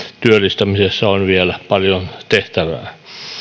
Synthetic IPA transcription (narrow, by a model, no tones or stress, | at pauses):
t̪yølːˑist̪æmisesːæonʋielæpɑljont̪eht̪æʋæ̰ː